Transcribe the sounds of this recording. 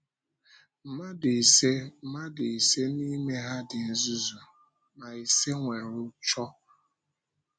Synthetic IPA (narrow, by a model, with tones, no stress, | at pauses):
ma˦dɪ˨i˨se˦ma˦dɪ˨i˨se˦ni˦me˦ɦa˦dɪ˨n̩˦zu˦zu˨ | ma˨i˨se˦ŋʷe˨ɾʊ˦t͡ʃɔ˦